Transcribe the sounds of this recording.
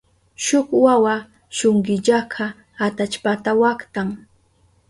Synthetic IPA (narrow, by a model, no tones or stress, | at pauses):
ʃʊχwawa | ʃʊŋɢɪʎakʰa | at̪at͡ʃpat̪awakt̪aŋ